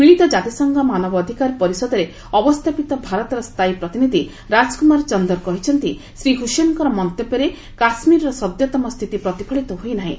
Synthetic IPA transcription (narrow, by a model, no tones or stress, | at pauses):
piɭit̪ɔd͡ʒat̪isɔŋɡʱɔmanɔbɔːd̪ʱikaɾpɔɾisɔd̪ɔɾe | ɔbɔst̪ʰapit̪ɔbʱaɾɔt̪ɔɾɔst̪ʰajpɾɔt̪inid̪ʱi | ɾad͡ʒkumaɾt͡ʃɔnd̪ɔɾkɔɦit͡ʃʰɔnt̪i | sɾiɦusenkɔɾɔmɔnt̪epeɾe | kasmiɾɔɾɔsɔd̪jɔt̪ɔmɔst̪ʰit̪ipɾɔt̪ipʰɔɭit̪ɔɦojnaɦḭ̃